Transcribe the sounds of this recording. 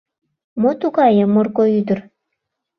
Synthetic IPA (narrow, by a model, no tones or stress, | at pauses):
mot̪uɣɑjəmːorkoyd̪ər